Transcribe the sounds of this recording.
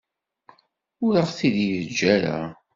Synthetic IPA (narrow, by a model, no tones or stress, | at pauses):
ʊɾəʁθiðjəd͡ʒːæɾa̰